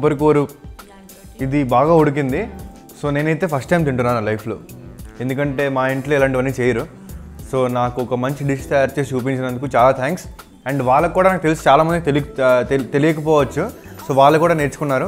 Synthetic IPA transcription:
pɐɾkoːɾu | id̪ibaːɡaːoɽuk̬ind̪i | so̞ːne̞ːnɐjt̪e̞ːpʰɐsʈːɐjmt̪iɳʈunːaːnulɐjpʰloːend̪ukɐɳʈe̞ːmaːeɳʈloɛlɐɳʈiʋɐnːiːt͡ʃeːjɐɾu | so̞ːnaːkuɔkɐmɐɲt͡ʃiɖiʂt̪ejaːɾt͡ʃe̞ːsiuːp̬iɲt͡ʃinɐnd̪ukut͡ʃaːlaːt̪ʰaːŋks | ɐɳɖʋaːɭːɐkːuːɽaːnaːk̚t̪e̞lisi̥t͡ʃaːlaːmɐnd̪it̪elit̪e̞lijɐkɐp̬ɔːʋɐt͡ʃːu | so̞ːʋaːɭːɐkuːɽaːneːɾt͡ʃu̥kunːaːɾu

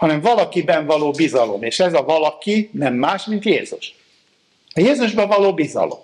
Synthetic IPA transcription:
hɒnɛɱvɒlɒkibɛɱvɒloːbizɒlo̞meːʃɛzɒvɒlɒkinɛmːaːʃmint̪jeːzuʃ | ɒjeːzuʒbɒvɒloːbizɒ̰lo̰m

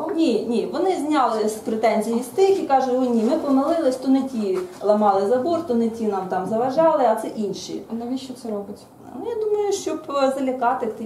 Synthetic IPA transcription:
nʲinʲiʋɔnɪzʲnʲɑlˠɪspɾet̪ɛnʲzʲijist̪ɪxikɑʒʊtʲɔnʲimɪpɔmɐlˠɪlˠɪsʲt̪ɔnɪtʲilˠɐmɑlˠɪzɐbɔrt̪ʊnɪtʲinɑmt̪ɑmzɐʋɐʒɑlˠɪɐt̪sɛʔinʲʃḭnɐʋʲiʃt͡ʃɔt̪sɛɾɔbɪtʲ | nujad̪umɐjʊʃt͡ʃɔbzɐlʲɐkɑt̪ɪt̪

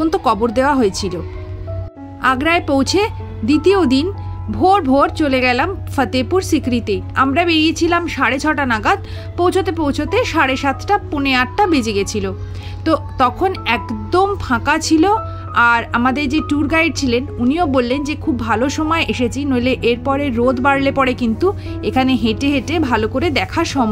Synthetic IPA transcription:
ont̪okɔboɾd̪eoaɦoet͡ɕʰilo | aɡɾaepowt͡ɕʰe | d̪it̪iod̪inbʱoɾbʱoɾt͡ɕoleɡɛlamfət̪epuɾsikɾit̪ea̰mɾabeɾiet͡ɕʰilamʃaɾet͡ɕʰɔʈanaɡad̪̚ | powt͡ɕʰot̪epowt͡ɕʰot̪eʃaɾeʃat̪ʰʈapuneaʈʈabed͡ʑiɡet͡ɕʰilo | t̪ot̪ɔkʰonɛkd̪ompʰãkat͡ɕʰilo | aɾamad̪eɾd͡ʑeʈuɾɡajɾ̚t͡ɕʰilenuniobolːend͡ʑekʰubːʱaloʃɔmɔeʔeʃet͡ɕʰinoleʔeɾpɔɾeɾod̪baɾlepɔɾekint̪u | ekʰaneɦeʈeɦeʈebʱalokoɾed̪ɛkʰaʃɔm

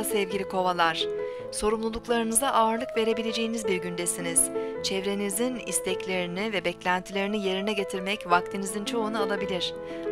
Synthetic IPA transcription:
sɛvɟilʲikʰo̞valˠaɾ̝̥ | so̞ɾumlˠulˠuklˠaɾɯnɯzaʔaːɾlˠɯkve̞ɾe̞bilʲe̞d͡ʒe̞jinizbiɾɟynd̪esiniz̥t͡ʃʰɛvɾe̞nizinḭst̪ʰɛclʲe̞ɾinivɛbɛclʲænt̪ʰilʲe̞ɾinije̞ɾinɛɟe̞t̪ʰiɾmɛcvak̚t̪ʰinizint͡ʃʰo̞unualˠabilʲiɾ̝̥

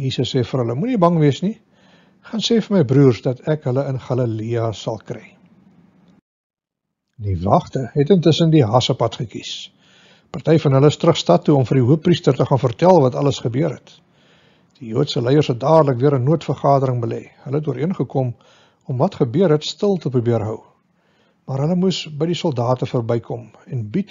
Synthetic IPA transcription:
jiːsəsːɛːfərɦələmunibɐŋviəsni | χɐnsɛːfəməjbruːrsdɐtɛkɦələənχɑləliɑsɐlˠkrɛj | divɑχtəɦɛtəntəsəndiɦɑsəpɐtχəkis | pɑrtɛjfɐnɦələəstrəχstɐtːuɔmfərdiɦuəpːristərtəχɑːnfərtælˠvɐtɐləsχəbøəɾɦɛt | d̥ijuətsəlɛjərsɦɛt̚dɑːdələk̚døəɾənuətfərχɑːdəɾəŋbəlɛɦələɦɛt̚duəiənχəkɔm | ɔmvɐtχəbøəɾɦɛtstəlˠtəprubiərɦœw | mɑːrɦələmusbəjdisɔlˠdɑːtəfəːrbɛjkʰɔmɛnbit

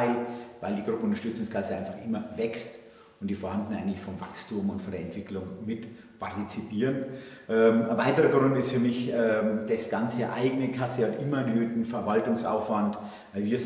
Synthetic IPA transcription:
ɪvaɪldiːɡʁʊpəʊntɐʃtʏt͡sʊŋskʰasəʔaɪnfaχʔɪmɐvɛkst | ʊntd̥iːfoɐhandn̩aɪɡətlɪçfɔmva̰kstumʊntfɔndeɐɛntv̥ɪklʊŋmɪt | pʰaʁtit͡sipiːʁənʔɛməvaɪtəʁəɡʁʊntɪstfyːɐmɪçɛd̥asɡ̥ant͡səʔa̰ɪɡənəkʰasəhatʔɪmɐɛnhøːtn̩fɛɐvaltʊŋsʔa̰ʊfv̥ant | vaɪlviːɐ

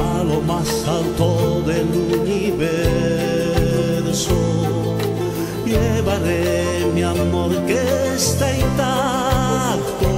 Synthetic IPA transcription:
lomas | alt̪oðeluniβe | ɾso | ʎeβaɾe | miamoɾkest̪aint̪a | k̚t̪o

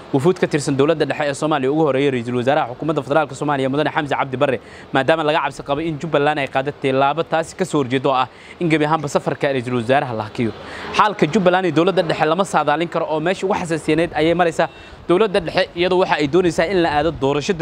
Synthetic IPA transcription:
wʊfuːd̪kʰɐt̪ʰɪrsɐnd̪ɔwlɐd̪ːɐɖɛħɛɛːsɔːmaːlɪjɐʊɣʊhɔɾɛːjɔrɛjs̬ɐlwɐsaːɾɐɦhɐħʊkʰuːmɐd̪ːɐfɛðɛɾaːlkʰɐsɔːmaːlɪjɐmʊðɐnɛħɑmsɐʕɑ̰b̚d̪ɪbɐrːɛ | maːd̪aːmɐlɐɣɐʕɑbsɪqɑβɔɪnt͡ʃʊbɐlaːnɛjqɑːðɐt̪ʰɪlaːβɐt̪ʰaːsɪ̥kʰɐsɔːhɔrt͡ʃɛːd̪ɔːɐh | ɪŋɡɐβiɐɦaːmbɐsɐfɐrkʰɐrɛjs̬ɐlwɐzaːɾɐɦɐlɐɦɐkʰɪjɔħaːlkʰɐt͡ʃʊbɐlaːnɪd̪ɔwlɐd̪ːɐɖɛħɛlɐmɐsaːðaːlɪŋkʰɐɾɔʔɔːmɛːʃiʊɣʊħɑs̬ɐsɪjnɛːd̪ɐjɛjmɐɾɛjsaː | d̪̥ɔwlɐd̪ːɐɖɛħɛʔɪjɐðʊwɑħɑɛjd̪ɔːnɛjsaːɪnlɐʔaːðɔd̪ɔːɾɐʃɐd

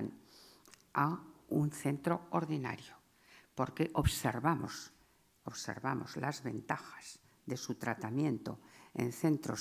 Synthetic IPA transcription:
n | aunθe̞nt̪ɾo̞oɾðina̰ɾjo | po̞ɾkeʔoβseɾβamos | oβsḛɾβamo̞̰zlazβe̞nt̪axḁz̥ | ðe̞sut̪ɾat̪amjẽ̞nt̪o̞̰ḛnθe̞nt̪ɾo̞

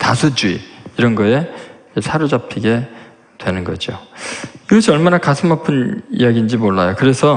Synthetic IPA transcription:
tasʰud͡ʑuḭiɾʌnɡʌe̞id͡ʑesʰaɾud͡ʑapʰiɡe̞ | twe̞nɯnɡʌ̰d͡ʑo̰ | iɡʌɕʰiʌɭmanakasʰɯmapʰɯnḭjaɡind͡ʑimoɭːajokɯɾe̞sʰʌ

